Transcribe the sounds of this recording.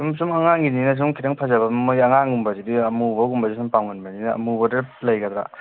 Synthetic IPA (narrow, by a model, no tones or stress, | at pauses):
sumsumɐŋaŋɡininɐs̬uŋkʰiɾaŋpʰazɐbɐmmojɐŋaŋɡumbɐzidiɐmubɐɡumbɐzisumpawŋɡɯnbɐninɐ̰ːmubɐdɐlɐjɡɐd̪ɾa̰